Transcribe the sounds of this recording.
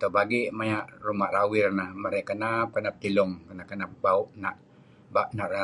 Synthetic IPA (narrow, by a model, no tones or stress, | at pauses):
t̪obaɡiʔmajaʔrumarawɪrnamaɾɛkənap̚kənap̚t̪ilʊŋkənaʔkːənap̚bauʔnaʔ | baʔnaʔra